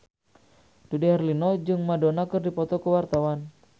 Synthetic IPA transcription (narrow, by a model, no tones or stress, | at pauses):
d̥udɛhɛrlinɔd͡ʒɨŋmadɔnakɨrdipɔt̪ɔkuwart̪awan